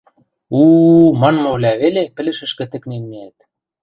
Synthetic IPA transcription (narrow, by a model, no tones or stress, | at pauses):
umɑnmolʲæβelepɘ̆lɘ̆ʃɘ̆ʃkĕt̪ɘ̆knenmeæt̪̚